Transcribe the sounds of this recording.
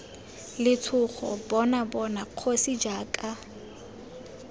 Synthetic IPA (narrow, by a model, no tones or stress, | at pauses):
lɪtʰʊχʰɔ̰bɔnabɔnaq͡χʰosid͡ʒaːkʼa